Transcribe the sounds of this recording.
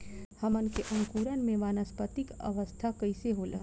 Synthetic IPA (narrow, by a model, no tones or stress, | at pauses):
hɐmənkeʔɐ̃ŋkuːɾənmẽʋaːnəspət̪ɪkɐ̰ʋəst̪ʰakɐɪseɦolɐ̰